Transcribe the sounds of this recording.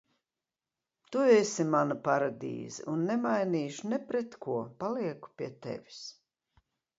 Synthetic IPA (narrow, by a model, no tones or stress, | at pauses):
t̪uesimanɐpaɾad̪ḭːzḭʔunːɛmajniːʃunepɾet̪kʰuɔpaliɛku̥pʲiɛt̪ḛvʲi̥s